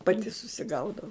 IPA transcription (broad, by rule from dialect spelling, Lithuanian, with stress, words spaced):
pɐˈtʲɪ sʊsʲɪˈɡɐʊdɐʊ